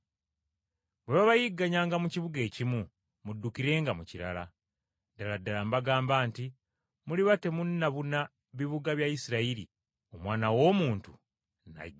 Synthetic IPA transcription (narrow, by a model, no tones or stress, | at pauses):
βweβaβajiɡːaɲaːŋɡamuciβuɡe̞ːcimu | mudːukiɾe̞ːŋɡamuciɾa̰la | daladːalambaɡaːmbaːnti | muliβate̞munːaβuna | βiβuɡaβjaisiɾaiɾḭ | omwaːnawo̞muːntu | na̰